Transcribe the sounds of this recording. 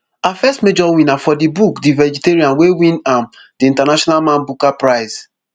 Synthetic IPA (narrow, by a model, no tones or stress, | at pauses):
afɛstmed͡ʒɔwĩnafɔdibukdivɛd͡ʒiteɹiãnwewĩnãm | diĩntanaʃɔnalmãnbukapɹaɪs